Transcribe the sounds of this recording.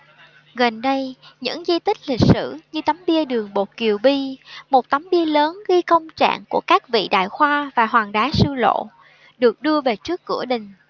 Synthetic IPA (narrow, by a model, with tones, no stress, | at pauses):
ɣə˨˩nɗə˧jɲɨ̰˧˥ŋzi˧t̪ï˦˥k̟̚lï˨˩k̟̚sɨ̰˧˩ɲɨ˧t̪a˨˦mɓi˧əɗɨ˨˩əŋɓo˨˩t̚ki˨˩əwɓi˧mo˨˩t̚t̪ə˨˦wmɓi˧ələː˨˦nɣi˧kə˧wŋ͡mt͡ɕa̰ː˧˨ŋku˧˩əkaː˦˥k̚vḭ˧˨ɗa̰ː˧˨jxwaː˧vaː˨˩ɦwaː˨˩ŋɗaː˨˦sɨ˧lo̰˧˨ | ɗɨ˨˩ək̚ɗɨ˧əve˨˩t͡ɕɨ˦˥əkːɨ̰˧˩əɗï˨˩ŋ̟